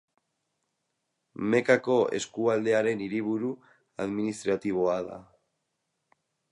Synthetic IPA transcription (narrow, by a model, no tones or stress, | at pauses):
me̞kako̞e̞̰skuald̪e̞aɾe̞niɾiβ̞uɾu | aðminist̪ɾat̪iβ̞o̞aða̰